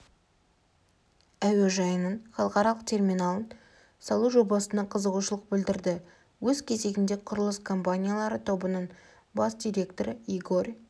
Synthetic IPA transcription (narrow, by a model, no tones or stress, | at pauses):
æwe̞ʒɑjənəɴχɑlˠəqɑɾɑlˠəqt̪ʰe̞rmijnalˠən | sɑlˠuʒo̞bɑsənɑqʰəzəʁuʃəlˠəq̚bɪld̪ɪɾd̪ɪ | wɵzkʲʰe̞ze̞ɡʲɪnd̪e̞qʰʊɾəlˠəskʰo̞mpanʲijalˠɑɾət̪ʰo̞bənəɴ | bɑsd̪ʲijɾʲe̞kt̪o̞ɾəiɡo̞rʲ